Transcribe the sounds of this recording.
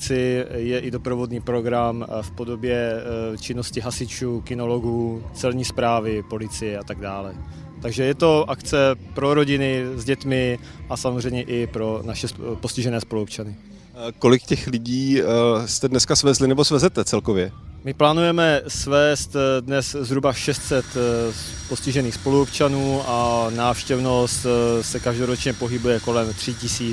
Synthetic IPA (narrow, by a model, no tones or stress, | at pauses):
t͡sɪjɛʔɪdo̞pɾovo̞dɲiːpɾoɡɾamfpo̞do̞bjɛt͡ʃɪno̞scɪɦasɪt͡ʃuːkɪno̞lo̞ɡuːt͡sɛlɲiːspɾaːvɪpo̞lɪt͡sɪjɛat̪aɡdaːlɛ | t̪aɡʒɛjɛt̪o̞ʔakt͡sɛpɾo̞ɾo̞ɟɪnɪzɟɛt̪mɪ | ʔasamozr̝ɛjmɲɛʔɪpɾo̞naʃɛspo̞scɪʒɛnɛːspoluopt͡ʃanɪ | ko̞lɪkcɛxlɪɟiːst̪ɛdnɛskasvɛzlɪnɛbosvɛzɛt̪ɛt͡sɛlkovjɛmɪplaːnujɛmɛsvɛːst̪dnɛszɦɾubaʃɛst̪sɛt̪ | poscɪʒɛniːxspo̞luopt͡ʃanuːanaːfʃcɛvno̞st̪sɛkaʒdo̞ɾo̞t͡ʃɲɛpo̞ɦɪbujɛko̞lɛmt̪r̥ɪcɪsiː